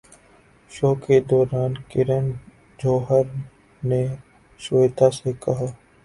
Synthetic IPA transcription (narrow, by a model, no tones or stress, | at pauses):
ʃoːked̪ɔːɾaːnkɪɾən | d͡ʒoːɦəɾ | ne | ʃʋeːt̪asekɐɦaː